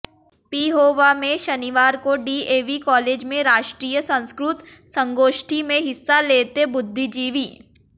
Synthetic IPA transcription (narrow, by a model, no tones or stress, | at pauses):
piːɦoːʋamẽʃɐnɪʋaːɾkoɖiːeːʋikɔːleːd͡ʒmẽɾaːʃʈɾiːjəsɐ̃ñskɾʊt̪sɐ̃ŋɡoːʃʈʰimẽɦɪsːaleːt̪ebʊd̪ʱːid͡ʒiːʋiː